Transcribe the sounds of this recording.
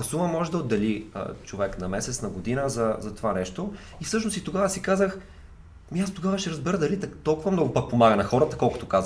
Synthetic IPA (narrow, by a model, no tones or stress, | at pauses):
ɐsuvɐmɔʒɛd̪ɐod̪ːɐliə̰t͡ʃovɛknɐmɛsɛt̪snɐɡod̪inəzɐzɐt̪ovanɛʃt̪o | ifsɤʃ̬nost̪it̪oɡavəsikazəx | miast̪oɡavəʃɛɾɐzbɛɾəd̪ɐlit̪ɐt̪ɔlˠkʊvɐmnɔɡʊpək̚pomaɡənɐxɔɾət̪əkɔlˠkʊ̥t̪okaz